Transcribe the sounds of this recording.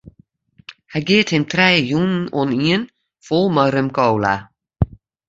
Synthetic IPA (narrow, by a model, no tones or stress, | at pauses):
hajɡeːt̪hɪnt̪ʰɾɛːjuːnn̩ɔniən | fʊlˠmɔɾəmkowla̰